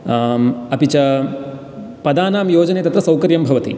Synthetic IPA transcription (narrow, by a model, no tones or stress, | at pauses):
ɐpit͡ʃɐ | pɐd̪aːnaːmjoːd͡ʒɐneːt̪ɐt̪ɾɐsɐwkɐɾjɐmbʱɐʋɐt̪ḭ